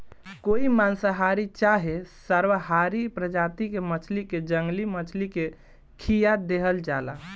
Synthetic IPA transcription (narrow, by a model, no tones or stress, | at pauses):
koimansəɦaɾit͡ʃaɦesəɾʋəɦaɾipɾəd͡ʒat̪ikemət͡ʃʰliked͡ʒəŋɡlimət͡ʃʰlike | kʰijad̪eɦəld͡ʒala̰